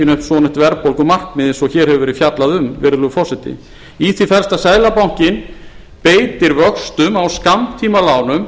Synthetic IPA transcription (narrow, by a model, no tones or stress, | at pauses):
ɪnʏhpsɔːnɪn̥t̪vɛɾpowlkʏmar̥kmɪðɪsɔçɛːɾhɛvʏvɛːɾɪfjat̪laðʏmvɛɾʏlʏfɔsɛt̪ɪ̰ | iθifɛɾ̥st̪asaːjlapawɲ̥cɪn | peːjt̪ɪɾvœkst̪ʏmawskamt̪ʰiːmalaːwnʏm